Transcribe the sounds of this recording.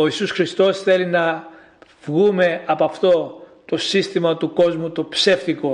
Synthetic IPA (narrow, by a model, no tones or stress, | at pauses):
o̞isusxɾist̪o̞sθe̞linɐ | v̥ɣume̞ɐpɐft̪o̞ | t̪o̞sist̪imɐt̪uko̞zmut̪opseft̪iko̞